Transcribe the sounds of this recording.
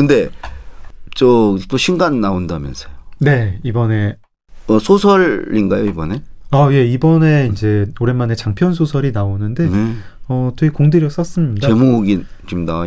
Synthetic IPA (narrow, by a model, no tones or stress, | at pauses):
kɯnde̞ | t͡ɕʌt͈oɕʰinɡanːaondamjʌnsʰʌ̥jone̞ibʌne̞ | ʌsʰosʰʌɭːinɡajoibʌne̞aje̞ibʌne̞ind͡ʑe̞oɾe̞mane̞t͡ɕaŋpʰjʌnsʰosʰʌɾinaonɯnde̞ | ʌteikoŋdeɾjʌk̚s͈as͈ɯmɲidaemoɡi | t͡ɕomnaa